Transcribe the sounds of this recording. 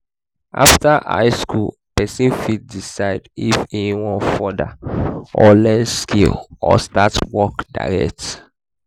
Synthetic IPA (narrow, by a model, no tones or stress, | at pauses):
ʔa̰ftaʔa̰ɪskul | pɛsĩnfitdisaɪdifeniwɔ̃nfɔda̰ʔɔlɛskʰilɔ̰statwɔkda̰ɹɛ̰k̚t